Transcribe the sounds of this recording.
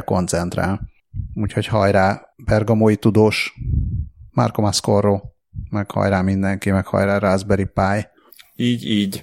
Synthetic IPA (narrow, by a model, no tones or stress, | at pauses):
ko̞̰nt̪sɛn̪t̪ra̰ːl | uːcho̞chɒjɾaː | bɛrɡɒmoːit̪ud̪oːʃ | ma̰rko̞maskoroː | mɛkhɒ̰jɾaːmind̪ɛŋkimɛkhɒ̰jɾaːɾaːzbɛɾipaːj | iːɟiːɟ